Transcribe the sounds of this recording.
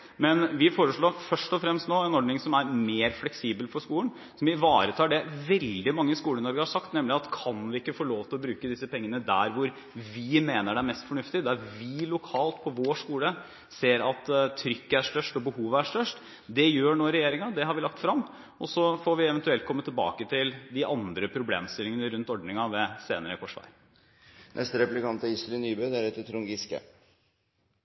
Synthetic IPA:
mɛnʋɪfoːɾəʂlɭoːfœʂʈɔfɾɛmst̪noːɛnɔɖnɪŋsɔmæɾmeːɾflɛksiːbəlfɔʂkuːlən | sɔmɪʋɑːɾət̪ʰɑːɖɛʋɛld̪ɪmɑŋːəskuːlənɔɾɡəhɑʂɑk̚t̪nɛmlɪɑt̪kʰɑnʋɪɪkːəfoːɭoːʋt̪ʰɪlɔbɾʉːkəd̪ɪsːəpɛŋːənəd̪æ̰ɾʋʊɾ | ʋɪmeːnəɖɛæɾmɛst̪fɔɳʉft̪ɪd̪æɾʋɪlʊkʰɑːlt̪pʰɔʋoːʂkuːlə | seːɾɑt̪t̪ʰːɾʏkːəæʂʈœʂʈɔbəhuːʋəæʂʈœʂʈ | d̪ɛjøːɳoːɾɛjeːɾɪŋɑd̪ɛɦɑɾʋɪlɑk̚t̪fɾɑmː | ɔsɔfoɾʋɪɛʋɛnt̪ʉɛlt̪kʰɔmːət̪ʰːɪlbɑ̰ːkət̪ʰɪld̪ɪʔɑnd̪ɾəpʰɾʊblḛːmst̪ɪlːɪŋənəɾʉnt̪ɔɖɳɪŋɑʋɛsḛːnəɾəkʰɔʂʋæ̰ɪɾ | nʔɛ̰st̪əɾɛplɪkɑnt̪əɪsɾɪnyːbød̪æɾɛt̪ːt̪ʰɾʊŋɡɪskə̰

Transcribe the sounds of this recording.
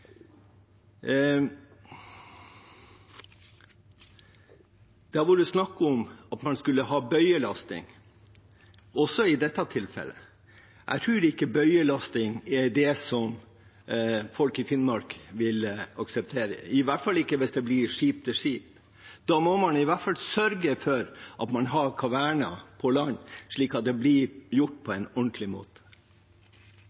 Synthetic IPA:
d̪̥æʋuːɾəsnɑkːəɔmɑt̪mɑnskʉlːəhɑːbœʏəlɑst̪ɪ̰ŋ | ɔsɔɪd̪ɛt̪ːɑt̪ʰɪlfɛ̰lːə̰ | ʔæ̰ɪt̪ʰɾʉːɖɛɪkːəbœʏəlɑst̪ɪŋɛɾɖ̪ɛsɔm | fɔlkɪfɪnmɑɾkʋɪlɑksɛp̚t̪ʰeːɾə̰ɪʋæʈfɑlːɪkːəʋɪsd̪ɛblɪʂiːp̚t̪ʰɪʂiːp | d̪̥ɑːmɔmɑnɪʋæʈfɑlsœɾɡəfɔɾʔɑt̪mɑnɦɑɾkʰɑʋæɳɑ̰pʰɔlɑnːʂɭiːkɑt̪̚d̪ɛblɪjʊʈːpʰɔɛnɔɳʈ̪lɪmoːt̪ə̥

